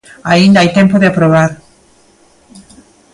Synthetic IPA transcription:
aĩnd̪aajt̪empoðeapɾoβ̞aɾ

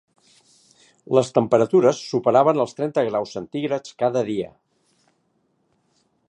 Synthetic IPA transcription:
ləst̪əmpəɾət̪uɾəsːupəɾaβənəlˠst̪ɾɛnt̪əɣɾawsːənt̪iɣɾət͡skaðəðiə̰

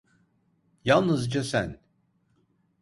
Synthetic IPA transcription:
jalˠnɯzd͡ʒasæ̰n

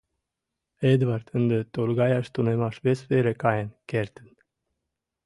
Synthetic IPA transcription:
ed̪vaɾt̪ɨnd̪ət̪olɡajaʃt̪unemaʃvesfeɾekajenkʲeɾt̪ən

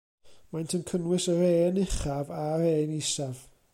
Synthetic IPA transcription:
majntʰənkʰənwɪsəɾeːnɪχavaɾeːnisav

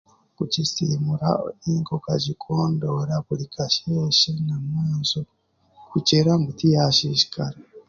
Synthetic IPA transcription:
kucisimuɾaiːŋkokaɟikʰoːndoːɾaβulikʰaʃeʃenamwaːnzo | kut͡ʃeɾambutijaʃiʃi̥kaɾa

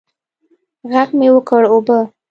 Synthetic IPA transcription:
ɣaɡmewəkəɽobə

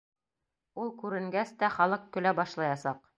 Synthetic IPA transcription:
ulˠkʉɾɘ̆ŋɡæst̪æχɑlˠɤqkɵ̆læbɑʃlˠɑjɑsɑq

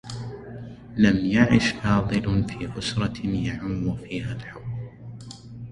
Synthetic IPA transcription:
lamjaʕɪʃfɑːðˤɨlfiːʔʊsɾˤɑjaʕʊmːwʊfiːhaːlħaw

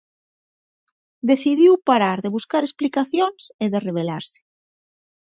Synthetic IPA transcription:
d̪eθiðiwpaɾaɾðeβuskaɾesplikaθjonseðereβ̞elaɾse̥

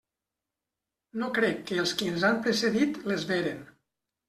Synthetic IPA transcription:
nokɾɛkːəːlˠskiənzampɾeseðit̪lezβeɾen

